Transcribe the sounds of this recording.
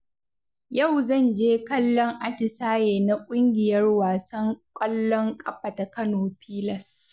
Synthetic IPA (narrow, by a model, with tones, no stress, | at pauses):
ja˦˨wzɐ˦˨nd͡ʒeː˦kɐ˦lːɔ˦ŋʔa˦tɪ˨saː˦jeː˨na˦kʷʼʊ˦ŋɡʲɪ˨jɐ˦rwaː˨sɐ˦ŋkʷʼɐ˦lːɔ˦ŋkʼɐ˦ɸɐ˨ta˨kɐ˦noː˨ɸiː˦lɐ˨s